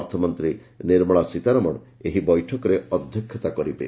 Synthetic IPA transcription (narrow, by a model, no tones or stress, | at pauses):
ɾt̪ʰɔmɔnt̪ɾiniɾmɔɭasit̪aɾɔmɔɽ̃ | eɦibɔjʈʰɔkɔɾeɔd̪ʱjɔkʰjɔt̪akɔɾibḛ